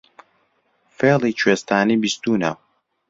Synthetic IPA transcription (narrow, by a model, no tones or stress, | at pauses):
feːlˠit͡ʃʰweːst̪aːniːbist̪uːnɐ̰